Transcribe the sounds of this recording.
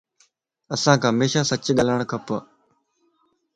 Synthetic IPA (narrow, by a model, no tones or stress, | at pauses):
əsãːkʰãːɦmeːʃaːsət͡ʃɠəlaɳkʰəpə